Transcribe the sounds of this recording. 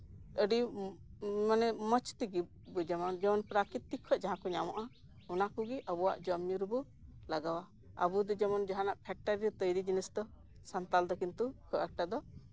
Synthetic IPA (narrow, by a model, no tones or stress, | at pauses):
əɖi | manɛmət͡ʃt̪iɡi | bud͡ʒɛmɔnd͡ʒɛmɔnpɾakit̪ːikʰːɔʔd͡ʒaɦãkɔɲamaʔa | ɔnakuɡiʔəbuwa̰ʔd͡ʒɔmːiɾbu | laɡawa | ə̰bud̪ɔd͡ʒɛmɔnd͡ʒaɦanaʔpʰɛk̚ʈaɾiɾɔt̪əjɾid͡ʒinisd̪ɔ | sant̪ald̪ɔkint̪ukʰɔʔak̚ʈad̪ɔ